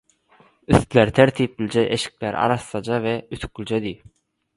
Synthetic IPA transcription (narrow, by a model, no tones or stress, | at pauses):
yθt̪leɾt̪ʰeɾt̪ʰiːp̚lʲd͡ʒeʔeʃk̚leɾɑ̰ɾɑslˠɑd͡ʒɑveyt̪ʰy̥k̚lʲd͡ʒed̪iː